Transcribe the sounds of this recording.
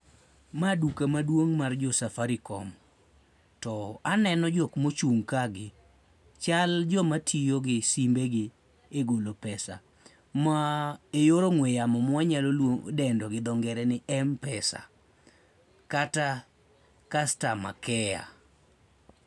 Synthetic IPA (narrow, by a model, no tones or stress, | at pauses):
madukamadwoŋmard͡ʒɔsafaɾikɔ̰m | tɔanɛnɔd͡ʒokmot͡ʃuŋkaɡɪ | t͡ʃald͡ʒɔmatʰijoɡɪsimbeɡɪ | eɡolopɛsa̰ | maejoɾoŋwejamɔmwaɲalolwoŋo̰dɛndɔɡɪd̪ɔŋɡɛɾɛnɪʔɛmpɛsa̰ | kata | kastama̰kɛja̰